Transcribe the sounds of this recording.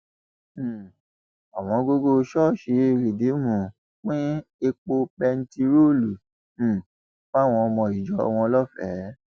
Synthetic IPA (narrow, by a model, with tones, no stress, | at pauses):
a˨w̃ɔ̃˧˦ɡo˧ɡo˧ʃɔ˦˨ʃe˧˦˧ɾi˨de˨˦mũ˨ | k͡pĩ˦e˧k͡po˧pɛ˧n̩˦ti˧ɾo˦˨lũ˨ | fa˦˨w̃ɔ̃˧mɔ̃˧i˨d͡ʒɔ˨˦a̰˧w̃ɔ̃˧lɔ˦fɛ̰˨˦